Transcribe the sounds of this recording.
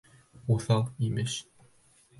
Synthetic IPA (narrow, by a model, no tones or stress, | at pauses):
uθɑlˠimɘɕ